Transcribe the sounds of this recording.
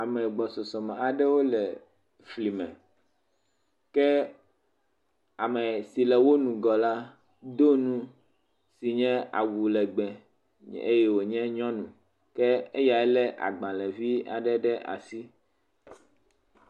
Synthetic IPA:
a˨mɛ̃˨ɡ͡bɔ˨sɔ˨sɔ˨mɛ̃˨a˨ɖɛ˦wo˦lɛ˨ | fli˨mɛ̰̃˨ | kɛ˦ | a˨mɛ˨si˨lɛ˨wo˦nũ˨ɡɔ˨la˦ | d̪o˦nũ˦ | si˨ɲɛ̃˦a̰˨wu˨lɛ˨ɡ͡bɛ˨ | e˦jɛ˦wo˨ɲɛ̃˦ɲɔ̃˦nũ˨ | kɛ˦e˦ja˨ɛ˦lɛ˦ʔa̰˨ɡ͡bã˨lɛ˨vi˦a̰˨ɖɛ˦ɖɛ˦ʔa̰˨si˦

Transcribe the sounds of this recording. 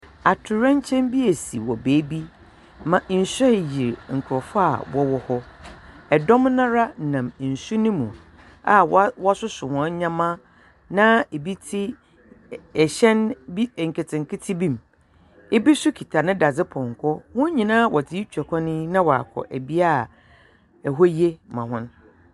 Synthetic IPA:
a˨tʰʊ˨ɾɛ̃˦ɲ˦t͡ɕʰɛ̃˦mbi˦ɛ˨sḭ˨wɔ˨beː˨˦bi˦ | mã˨ʔn̩˨sᶣɛ˦˨ji˨ɾŋ̩˨kʰɾɔ˨fʊ˦a̰˨wɔ˦wɔ˨hɔ˦ | ɛ˨dɔ̃˦m˦nã˦ɾa˦nã˨m˨n̩˨su˦nɪ̃˦mũ˨ | a˨wwɔ˦sʊ˦sʊ˨hɔ̃˨˦ɲã˦mã˦ | nã˦e˨bi˦tʰi˦ | ɛ˨ɕɛ̃˦nbi˦˨ŋ̩˨kʰe˨tʰɪ̃˨ŋ˨kʰɪ˦tʰi˦bĩ˦˨m | e˦bi˦sʊ˦kʰi˨tʰa˨nɪ̃˦da˨d͡zɪ˦pʰɔ̃˨ŋ˨kʰɔ˦hʊ̃˦ɲĩ˨nãː˦wɔ˨tʰɪ˨˦i˦t͡ɕᶣɛ˨kʰɔ̃˦nɪ̃˦nã˦wɔ˨a̰˨kʰɔ̰˨ʔæ˨bi˦a˦˨ | ɛ˨ɦɔ˦je˦mã˨ɦʊ̃˦n

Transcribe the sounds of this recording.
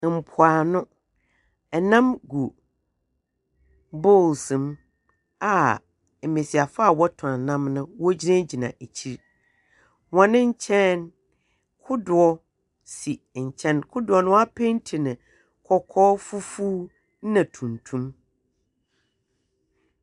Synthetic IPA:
m̩˨pʰʊ˨a˨nʊ̃˦ | ɛ˨nã˦mɡu˨ | bo˦˨lsɪ̃˨m | a˨ | m̩˨mẽ˨si˨a˨fa˦a˦˨wɔ˦tʰʊ̃˨a˨nã˦mnʊ̃˦wɔ˦d͡ʑi˦nã˦d͡ʑi˨nã̰˨ʔe˨t͡ɕʰi˦ɾ | wɔ̃˨nɪ̃˦ɲ̩˦t͡ɕʰɛ̃˦n | kʰʊ˦dʊ˨ɔ˦ | si˨ɲ̩˨t͡ɕʰɛ̃˦nkʰʊ˦dʊ˨ɔ˨nʊ̃˦wa˦pʰe˦n˦tʰi˨nɪ̃˨ | kʰɔ˨kʰɔː˦fu˦fuː˦ | nã˨tʰũ˨n˨tʰũ˦m

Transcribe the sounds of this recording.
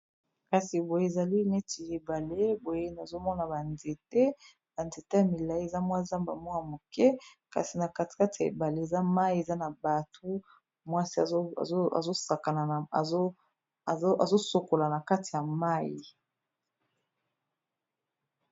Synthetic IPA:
ka˨si˨bo˨je˦˨za˨li˦ne˦ti˨e˨ba˨le˦bo˨je˦na˨zo˦mɔ˦na˨ba˨nde˨te˦ | ba˨nde˨te˦ja˨mi˨la˨i˦e˨za˦mwa˦za˦mba˨mwu˦a˨mo˨kɛ˦ | ka̰˨si˨na˨ka˦ti̥˨ka˦ti˨a˨ḛ˨ba˨le˦e˨za˦ma˦i˦e˨za˦na˨ba˨tʰo˦ | mwa˦si˦a̰˨˦˨a̰˨zo˦sa˨ka˨na˨o˦˨˦ | a̰˨zo˦so˨ko˨la˨na˨ka˦ti˨ja˨ma˦ji˨

